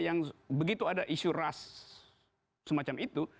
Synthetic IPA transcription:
jaŋbəɡit̪uadaʔisuras | səmat͡ʃamit̪u

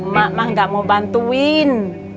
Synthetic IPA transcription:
mamahŋɡaʔmobant̪uin

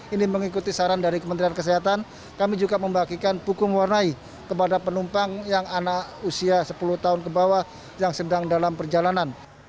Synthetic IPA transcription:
iniməŋikut̪isaɾandaɾikəmənt̪ɾiankəs̬iɦat̪an | kamid͡ʒuɡaməmbakikanpukʊŋwarnai | kəpadapənumpaŋjaŋanausiasəpuluht̪aɦʊnkəbawa | jaŋsədaŋdalampərd͡ʒalanan

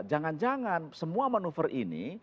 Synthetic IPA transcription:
d͡ʒaŋand͡ʒaŋansəmuamanufərʔinḭ

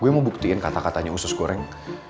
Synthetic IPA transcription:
ɡuɛməmbuk̚t̪iɪnkat̪akat̪aɲausʊskoɾɛŋ

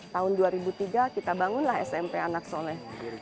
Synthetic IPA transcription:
t̪aʊnduaɾibut̪iɡakit̪abaŋʊnlaɦɛ̰sɛmpeanak̚solɛh

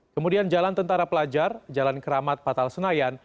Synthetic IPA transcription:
kəmudiand͡ʒalant̪ənt̪aɾapəlad͡ʒard͡ʒalankəɾamat̪̚pat̪alsənajan

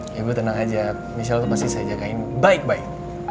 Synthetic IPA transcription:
ibut̪ənaŋad͡ʒa | mis̬alt̪upast̪isajad͡ʒakaɪnbaɪk̚baɪk̚

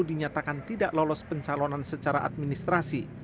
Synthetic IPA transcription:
udiɲat̪akant̪idaʔlɔlɔspəɲt͡ʃalɔnansət͡ʃaɾaʔa̰t̪̚minist̪ɾasi

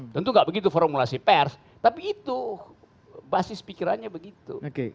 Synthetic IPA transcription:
t̪ənt̪uŋɡaʔbəɡit̪ufɔɾmulasipɛrs | t̪apiːt̪u | basɪspikiɾanɲabəɡit̪ṵoke

